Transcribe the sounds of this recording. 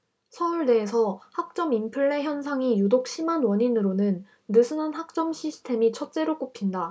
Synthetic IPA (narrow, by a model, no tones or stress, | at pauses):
sʰʌuɭde̞ːsʰʌhak̚t͡ɕ͈ʌmimpʰɯɭːe̞çjʌnsʰaŋijudok̚ɕ͈ʰimanwʌɲinɯɾonɯnː | ɯsʰɯnanɦak̚t͡ɕ͈ʌmɕʰisʰi̥tʰe̞mit͡ɕʰʌt̚t͡ɕ͈e̞ɾok͈opʰinda